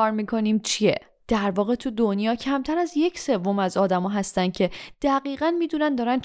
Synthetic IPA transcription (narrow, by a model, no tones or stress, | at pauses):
ɒɾmiːkʰo̞nimt͡ʃʰiḛ | d̪̥æɾvɒːɣe̞t̪ʰud̪onjɒːcʰæmt̪ʰæɾæzje̞cʰse̞vːo̞mæzɒːd̪æmɒːɦæst̪ænd̪̥̚cʰe̞d̪̥æɣiːɣænmiːd̪unænd̪ɒːɾæn